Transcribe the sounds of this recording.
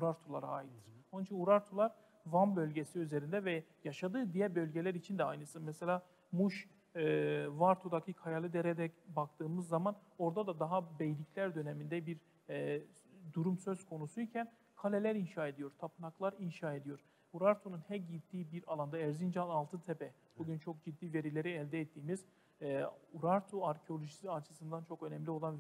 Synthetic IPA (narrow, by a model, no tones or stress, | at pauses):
uɾaɾt̪ʰulˠaɾa̰ːjit̪onnit͡ʃʰinuɾaɾt̪ʰulˠaɾ | vambø̞lʲɟesiyze̞ɾind̪ɛvɛjaʃad̪ɯːd̪ijɛbø̞lʲɟelʲæɾit͡ʃʰind̪ɛajnɯsɯmɛselʲaː | muʃ | vaɾt̪ʰod̪acʰikʰajalˠɯd̪eɾɛd̪ɛcbak̚t̪ɯːmɯzːaman | o̞ɾd̪ad̪ad̪aɦabejlʲicʰlʲæɾd̪ø̞nemind̪ɛbiɾ | ɛ | d̪uɾumsø̞z̥kʰo̞nusuicʰæn | kʰalʲelʲæɾinʃaːe̞d̪ijo̞ɾt̪ʰapʰɯnaklˠaɾinʃaːe̞d̪ijo̞ɾ | uɾaɾt̪ʰonunhɛɟit̪ːiːbiɾalˠand̪aɛɾzind͡ʒanalˠt̪ɯnt̪ʰepɛ | b̥uɟʲynt͡ʃʰo̞k̚d͡ʒid̪ːiːve̞ɾilʲe̞ɾiɛlʲd̪ɛːt̪ʰːiːmiz̥ | uɾaɾt̪ʰuaɾcʰeo̞lʲoʒisiat͡ʃʰɯ̥sɯnd̪ant͡ʃʰo̞kø̞nɛmlʲio̞lˠan